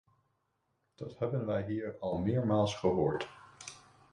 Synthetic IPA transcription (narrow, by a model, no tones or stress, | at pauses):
d̥ɑthɛbənʋɛjɦiːɹɑlˠmɪːɹmaːlˠsχəɦʊːɹt